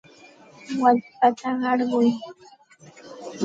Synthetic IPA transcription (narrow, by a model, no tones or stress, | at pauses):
waspat̪aɢɑɾɢʊj